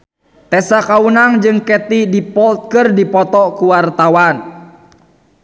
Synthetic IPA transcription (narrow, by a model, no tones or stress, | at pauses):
t̪ɛsakaunaŋd͡ʒɨŋkɛt̪idipɔlt̪̚kɨrdipɔt̪ɔkuwart̪awan